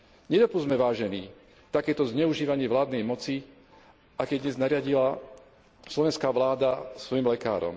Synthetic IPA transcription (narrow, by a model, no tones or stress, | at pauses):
ɲɛd̪ɔpuzmɛʋaːʒɛniː | t̪akɛːt̪ɔzɲɛuʒiːʋaɲɪɛʋlaːd̪nɛjmɔt͡si | ʔakɛd̪ɲɛznaɾɪaɟila | slɔʋɛnskaːʋlaːd̪asʋɔjimlɛka̰ːɾɔ̰m